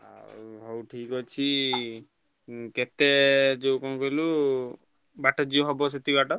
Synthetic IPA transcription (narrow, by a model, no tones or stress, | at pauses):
a̰ɦɔwʈʰikɦɔt͡ʃʰi | kɛt̪ɛd͡ʒewkɔñkɔilu | baʈɔd͡ʒioɦɔbɔs̬et̪ibaʈɔ